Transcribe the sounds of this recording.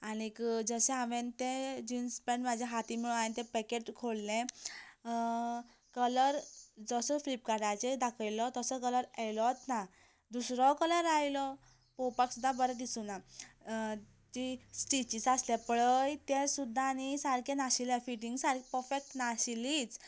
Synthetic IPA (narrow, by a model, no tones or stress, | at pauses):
anikd͡zəsẽaʋent̪ẽd͡ʑinspẽɳmad͡ʑaɦat̪imiɭũanit̪ɛ̃pɛkeʈkʰoɭlẽ | kələɾd͡zəsəflip̚kaɖajt͡sed̪akʰəjlɔt̪əsəkələɾajlɔt̪na | d̪usɾɔkələɾajlɔ | powpaksud̪ʱːabəɾɛd̪isuna | t̪isʈit͡ɕit͡saslɛpəɭəjt̪ẽsud̪ʱːaːnisaɾkʰenaɕilefiʈiŋɡsaɾkʰpəɾfek̚ʈnaɕilit͡s